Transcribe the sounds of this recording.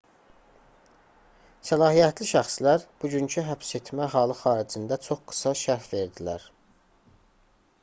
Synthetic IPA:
sælɑːɦijæt̪ʰliʃæxslæɾb̥uɟyncʰyɦæpse̞t̪ʰmæɦɑːlˠɯxɑːɾid͡ʒind̪æt͡ʃʰo̞χɡ̥ɯ̥sɑʃæɾfve̞ɾd̪ilæ̰ɾ

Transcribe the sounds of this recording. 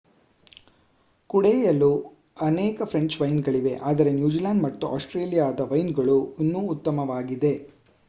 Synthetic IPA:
kuɽɛjɐlu | ɐnɛːkɐpʰɾe̞ɲt͡ʃʋɐjnɡɐɭiʋe̞ʔaːd̪ɐɾe̞njuːd͡ʒilaːnɖmɐt̪ːuʔa̰ːsʈɾeːlijaːd̪ɐʋɐjnɡɐɭuinːuːt̪ːɐmɐʋaːɡid̪e

